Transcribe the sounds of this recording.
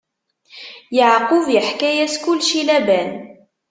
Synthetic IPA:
jəʕqʊvjəħkæjæskʊlːʃilæbæn

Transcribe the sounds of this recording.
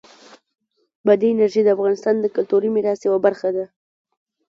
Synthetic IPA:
bad̪iɪnaɾʒid̪əafɣɑnɪst̪ɑnd̪əkʊlt̪uɾimɪɾɑst̪jawabaɾxad̪a

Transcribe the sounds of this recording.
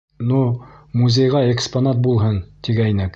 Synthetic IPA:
numuzʲejʁɑeksponat̪̚bulˠɦɤnt̪iɡæjnɘk

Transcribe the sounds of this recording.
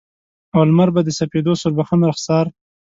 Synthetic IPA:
awalmaɾbad̪əsaped̪osʊɾbaxanɾaxsɑɾ

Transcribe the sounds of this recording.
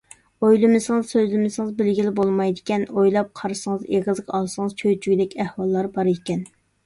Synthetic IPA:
ojlˠɪmɪsɨŋɨzsøzlɪmɪsɨŋəzbɪlɡʲilɪbolˠmɑjd̪ɪkʲɛnojlˠɑp̚qʰɑɾɨsɨŋɨzeʁɨzɨqʰɑlˠsɨŋɨz̥t͡ʃʰøt͡ʃʰyɡʲd̪ɛkʲɛhwɑlˠːɑɾbɑɾekʲɛn

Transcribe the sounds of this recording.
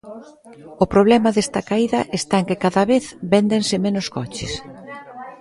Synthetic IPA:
ʊpɾoβlɛmɐðest̪ɐkaiðɐʔest̪aeŋkɪkaðɐβeθbend̪ensɪmenʊskɔt͡ʃɪ̰s

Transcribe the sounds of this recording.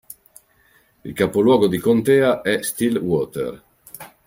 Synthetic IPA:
ilkapolwɔːɡod̪ikont̪eːaʔɛst̪ilwɔt̪ɛ̰ɾ

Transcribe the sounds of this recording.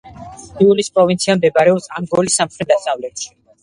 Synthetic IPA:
iulispʼɾɔvint̪sʰiamd̪ɛbaɾɛɔpsamɡɔlisːamχɾɛd̪asavlɛt̪ʃi̥

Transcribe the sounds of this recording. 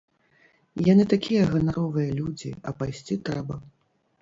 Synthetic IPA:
janɨt̪akʲijɐɣɐnaɾɔvɨjɐlʲud͡zʲḭɐ̰pajsʲt͡sʲit̪ɾɛbɐ

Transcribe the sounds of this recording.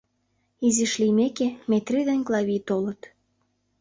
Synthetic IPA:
iziʃlimekemet̪rid̪enʲklˠɑβit̪olə̆t̪

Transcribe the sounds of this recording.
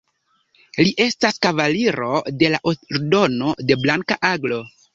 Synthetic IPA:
liʔe̞staskavaliɾo̞de̞laʔoɾdo̞no̞de̞blaŋkaʔaɡlo̞

